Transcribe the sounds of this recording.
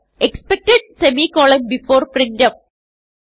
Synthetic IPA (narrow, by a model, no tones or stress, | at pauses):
ʔɛkspɛk̚ʈɛɖ̚sɛmikɔːlə̃mbɪfoːɾpɾɪ̃nʈɐ̃m